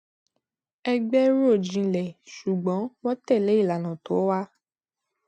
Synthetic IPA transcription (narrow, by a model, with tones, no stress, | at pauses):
ɛ˦ɡ͡bɛ˦ɾo˦˨d͡ʒĩ˨˦˨lɛ˨ʃu˨ɡ͡bɔ̃˨˦wɔ˦tɛ˦˨lɛ˨˦i˦˨la˨nã˨to˨˦wa˦